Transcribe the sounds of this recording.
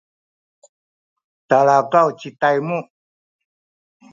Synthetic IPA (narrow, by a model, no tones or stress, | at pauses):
t̪aɭakawt͡ʃit̪ajmu